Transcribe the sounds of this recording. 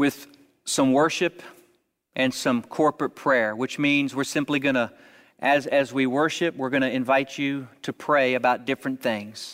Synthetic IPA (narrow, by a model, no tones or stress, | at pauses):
wɪð̥ | sʌ̃mwɜ˞ʃɨp | ʔɨ̃nsʌ̃mkʰɔɹpɹɨt̚pʰɹ̥ɛɹwɨt͡ʃmĩnzwɨɹsɪ̃mpliɡʌñə | ʔɨzɨzwiwɜ˞ʃɨp̚wɪɹɡʌñɨɨ̃ɱvaɪt͡ʃɨɾɨpʰɹ̥eɪɨbaʊt̚d̥ɪfɹɨ̃nθɪ̃ŋz̥